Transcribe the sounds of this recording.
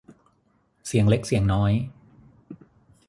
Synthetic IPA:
si˨˩˦əŋle˦˥k̚si˨˩əŋnɔː˦˥j

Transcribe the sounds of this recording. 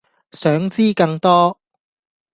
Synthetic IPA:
sœː˨˥ŋt͡siː˥kɐ˧ŋt̪ɔː˥

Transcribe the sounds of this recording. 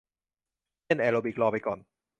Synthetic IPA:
e˥˨nʔɛː˧lo˧bi˨˩k̚lɔː˧˩pa˧jkɔː˨˩n

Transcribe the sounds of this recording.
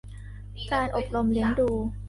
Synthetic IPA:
kaː˧nʔo˨˩p̚lo˧mli˩˦ənduː˧

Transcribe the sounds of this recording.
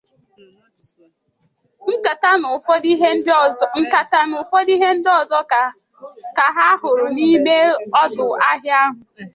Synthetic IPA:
ŋ̩˦ka˨ta˦n˨˦ | ka˦ta˦nʊ˨fɔ˦di˦ɦe˦n̩˦dɔ˦˨zɔ˦ka˨ | ka˨ɦa˦hʊ˨ɾʊ˨ni˦me˦ɔ˦dʊ˨a˦ɦja˦ɦʊ˨

